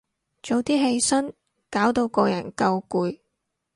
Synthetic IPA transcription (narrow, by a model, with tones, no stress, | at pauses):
t͡ʃo˨wt̪iː˥ɦe˧jsɐ˥n | kaː˨˥wt̪o˧wkɔː˧jɐ˨˩nkɐ˧wkuː˧j